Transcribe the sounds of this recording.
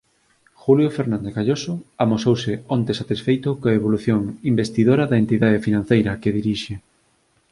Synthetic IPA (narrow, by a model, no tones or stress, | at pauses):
xuljofeɾnãnd̪ekaʎosoamosowsɪont̪esat̪isfejt̪ʊkoaeβoluθjoŋimbest̪iðoɾɐðɐent̪iðaðefinãnθejɾɐkeðiɾiʃe